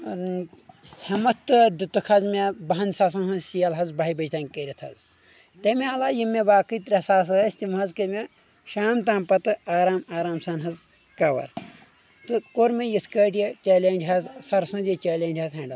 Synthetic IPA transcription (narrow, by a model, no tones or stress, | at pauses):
hɐmɐt̪ːɨd̪ɨt̪ɨkʰɐzmʲebɐɦɐnʲsaːs̬ɐnɦɐzsijɐlɦɐzbaːibɐd͡ʒt̪anʲkəɾʲit̪ʰɐ̰z | t̪emʲeɐlaːjimːebaːkɨjt̪ɾʲɐsaːs̬ɣɐsʲt̪ʲimɦɐzkɐme | ʃaːmt̪ãːmpɐt̪ɨaːɾaːmaːɾaːmsaːnɦɐz | kɐʋɐ̰ɾ | t̪ɨkoɾmejiskəːʈjet͡ʃeːlʲeːnd͡ʒɦɐzsɐɾsũnd̪jet͡ʃeːlʲeːnʲd͡ʒʲɦɐzɦɐːɳɖɐ